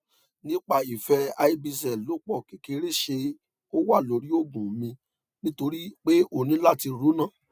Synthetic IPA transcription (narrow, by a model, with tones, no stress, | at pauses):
nĩ˦k͡pa˦˨i˨fɛ˧˦a˧i˦bi˧s̬ɛ˨lo˨˦k͡pɔ˦˨ki˨˧ke˨˧˦ɾe˦˨ʃe˧ | o˦wa˦˨lo˨˦ɾi˦o˦˨ɡũ˨˦mĩ˧ | nĩ˦to˧ɾi˦k͡pe˦o˦˨nĩ˨˦la˦˨ti˧ɾu˨˦nã˦˨